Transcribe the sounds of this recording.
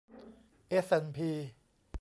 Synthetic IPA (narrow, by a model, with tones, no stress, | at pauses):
ʔe˦˥sʔe˧npʰiː˧